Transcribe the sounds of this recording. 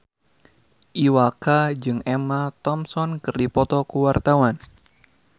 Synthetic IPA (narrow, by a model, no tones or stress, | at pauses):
ʔiwakad͡ʒɨŋɛmat̪ɔmsɔnkɨrdipɔt̪ɔkuwart̪awan